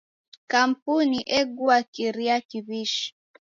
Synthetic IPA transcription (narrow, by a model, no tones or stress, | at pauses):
kam̩puniʔɛɡuakiɾiakiβiʃi̥